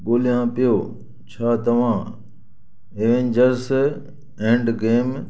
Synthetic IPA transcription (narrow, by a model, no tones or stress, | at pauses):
ɡoːlɪjãːpɪjoː | t͡ɕʰaːt̪ɐʋ̤ãː | eʋẽːɲd͡ʒəɾs | ẽːɳɖɡeːm